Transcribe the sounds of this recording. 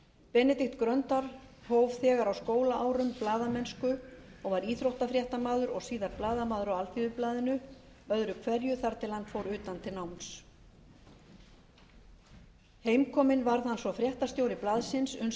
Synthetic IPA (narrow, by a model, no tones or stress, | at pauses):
pɛnɛt̪ɪxt̪kɾœnt̪aɾ̥howv̥θɛːɣaɾawskoːwlaaːwɾʏmplaːðamɛnskʏɔɣvaɾiːθɾowht̪afɾjɛht̪amaːðʏɾɔɣsiːðaɾplaːðamaːðʏɾɔwalθiðʏplaːðɪnʏ | œðɾʏkʰvɛɾjʏθaɾt̪ʰɪlhanfoːwɾʏːt̪ant̪ʰɪlnawms | heːjmkʰɔːmɪnvaɾðhanːsvɔfɾjɛht̪ast̪joːwɾɪplaðsɪnsʏn